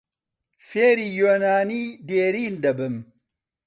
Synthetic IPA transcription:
feɾijonaːnideɾindɐbəm

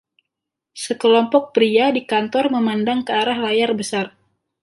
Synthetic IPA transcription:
səkəlɔmpɔk̚pɾiadikant̪ɔrməmandaŋkəaɾahlajarbəsar

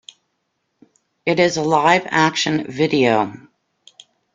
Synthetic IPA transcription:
ɨɾɪzəlaɪvækʃɨ̃nvɪɾioʊ

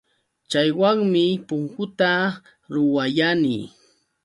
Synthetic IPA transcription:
t͡ʃajwaŋmɪpʊŋkʊt̪a | ɾʊwajani

